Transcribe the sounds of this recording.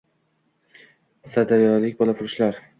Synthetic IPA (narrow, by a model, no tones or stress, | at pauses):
sad̪aɾjɒlɪk̚ʲbɒlˠafʊɾʃlaɾ